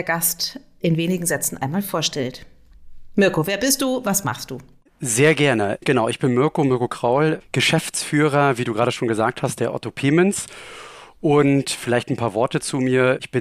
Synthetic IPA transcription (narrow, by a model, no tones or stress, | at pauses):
ɐɡast | ʔɪnveːnɪɡŋ̩zɛt͡sn̩ʔa̰ɪnmaːlfoːɐʃtɛlt | mʏɐkoveːɐbɪst̚d̥uːvasma̰χst̚d̥uː | zeːɐɡɛɐnəɡ̥ənaʊʔɪçb̥ɪnmʏɐkomʏɐkokʁ̥aʊlɡ̥əʃɛft͡sfyːʁ̞ɐviːduːɡʁaːɾəʃoːnɡəzaːk̚thast̚d̥eːɐʔɔ̰topʰeːmɛns | ʔʊntfɪlaɪçtn̩pʰaːɐvɔɐtət͡sumiːɐɪçb̥ɪ